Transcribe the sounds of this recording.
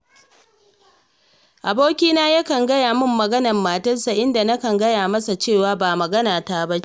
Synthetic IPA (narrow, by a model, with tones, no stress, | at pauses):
ʔa˨boː˦kʲiː˦naː˦ja˦kɐ˨ŋɡɐ˦jaː˨mʊ˦mːɐ˨ɡɐ˦nɐ˨mːaː˨tɐ˦rsa˨ʔɪ˦nda˨na˦kɐ˨ŋɡɐ˦jaː˨mɐ˦sa˨t͡ʃeː˦˨waː˦baː˨mɐ˨ɡɐ˦naː˨taː˦ba˦